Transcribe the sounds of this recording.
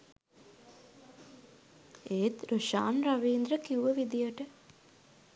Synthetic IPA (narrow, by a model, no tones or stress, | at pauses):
eːt̪ɾuʃaːnɾaʋiːnd̪ɾəkiuʋəʋid̪ijəʈə